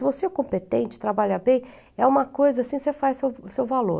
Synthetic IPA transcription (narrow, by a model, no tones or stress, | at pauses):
ɪvosekõpet̪ẽnt͡ʃɪ̥t̪ɾabaʎɐbẽj̃ | ɛũmɐkojzɐasĩosefajssewsewvalo̰